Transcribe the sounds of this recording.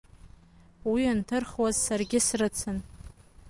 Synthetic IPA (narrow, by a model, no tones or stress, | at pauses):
wiantʰɨrχwazːarɡʲɪsrɨt͡sʰɨn